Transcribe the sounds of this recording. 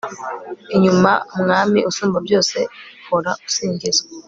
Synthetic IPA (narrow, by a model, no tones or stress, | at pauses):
iɲuma̰muŋamiʔosumbɔbjɔsɛfɔɾaosiŋɡisɔ̥